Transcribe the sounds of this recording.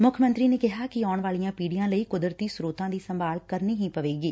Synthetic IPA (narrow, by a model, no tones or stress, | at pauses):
mʊkʰəmə̃nt̪ɾiːneːkɪɦaːkɪɔːɳʋaːlijãːpiːɽijãːləiːkʊd̪ɾət̪iːsɾuːt̪ãːd̪iːsəmbaːlkəɾniːɦĩːpəʋeːɡiː